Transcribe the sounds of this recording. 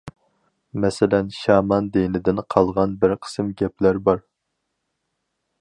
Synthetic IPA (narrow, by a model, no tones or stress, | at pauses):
mɛsɪlɛnʃɑːmɑnd̪enɪd̪ɪnqʰɑlˠʁɑnbɪɾqʰə̥sɨmɡʲɛplæɾbɑɾ